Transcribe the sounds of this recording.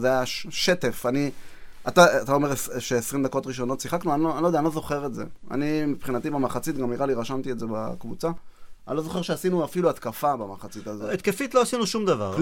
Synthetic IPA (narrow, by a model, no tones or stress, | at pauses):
zeajaʃe̞t̪efani | at̪aat̪aome̞ʁesʃeesʁimd̪ako̞t̪ʁiʃo̞no̞t̪siχaknuanoanlod̪eanlozo̞χe̞ʁetze̞̰a̰nimipχinat̪ibamaχat͡sit̚ɡamniʁaliʁaʃamt̪ie̞tzeba̰kvut͡saalo̞zo̞χe̞ʃeasinuafiluat̪kafabamaχat͡sit̪azoet̪̚kefit̪lo̞asinuʃumd̪ava̰ʁ